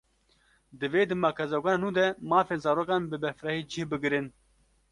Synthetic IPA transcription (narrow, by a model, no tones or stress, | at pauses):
d̪ɨveːd̪ɨmaːkʰɛzaɡʷaːnaːnũːd̪ɛmaːfeːnzaːɾoːkaːnbɨbɛfɾɑːhiːd͡ʒɪhbɨɡɨɾɨn